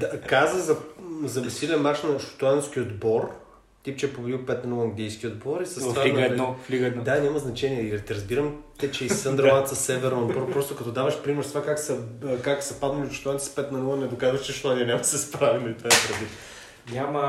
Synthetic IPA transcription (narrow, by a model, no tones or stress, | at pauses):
akazəzɐzɐɛsilɛnmat͡ʃnɐʃo̥t̪uant̪sk̟iod̪bɔɾ | t̪ipt͡ʃɛɛpovlʲipɛt̪nɐnulˠɐŋɡlʲijskʲiod̪̚bɔɾisɐsfaliɛd̪ɔfliɡɛnd̪anʲamɐznɐt͡ʃɛniɛilit̪ɛɾɐzbiɾəmt̪ɛt͡ʃɛisənd̪ɾlˠant̪səsɛvɛɾnod̪bɔɾpɾɔst̪okɐt̪ɔd̪avɐʃpɾimɛɾst̪ovakaksɐkaksɐpad̪nɐlʲiʃu̥t̪uanspɛt̪nɐnulˠənɛd̪okazvɐʃt͡ʃɛʃot̪aniɛnʲamsɛspɾavinɛit̪aɛpɾɛd̪lit̪ | ɲʲamə